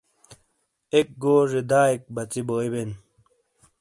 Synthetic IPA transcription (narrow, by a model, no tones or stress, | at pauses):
ek̚ɡoːʐed̪aːek̚bɐt͡siboːiben